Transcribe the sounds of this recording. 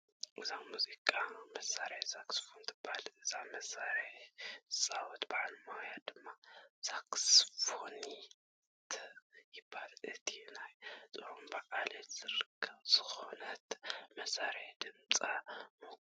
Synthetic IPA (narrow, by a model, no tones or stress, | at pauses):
ʔɨzawmuzikʼamɐsaɾeħzaksfont̪ʰɨbːahalɨzamɐsaɾeħzɨsʼawɔt̪baʕalmawjad̪ɨmːaz̥aksfoni | t̪ʰjɪbːalɨt̪ʰinajt̪ʼɨħombɐʕalet̪z̥ɨɾɨkʰːɐbz̥ɨxonɐt̪mɐsaɾeħd̪ɨmt͡sʼamo